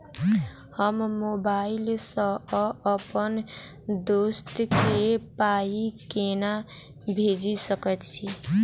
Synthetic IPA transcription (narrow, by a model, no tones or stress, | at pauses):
həmːobailsə̃əpən | d̪ost̪kepaikena | bʱed͡ʒisəkət̪t͡ʃʰi